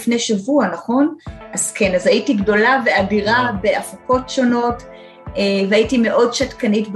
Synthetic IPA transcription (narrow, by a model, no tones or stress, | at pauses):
fne̞jʃavuanaχo̞nazke̞nazaitiɡdo̞lave̞adiʁabe̞afako̞tʃo̞no̞t | eveaitime̞ʔo̞dʃatkanitb